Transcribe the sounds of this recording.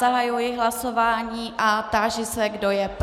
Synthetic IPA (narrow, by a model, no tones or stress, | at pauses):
aɦajujɪɦlaso̞vaːɲiːʔat̪aːʒɪsɛɡdojɛp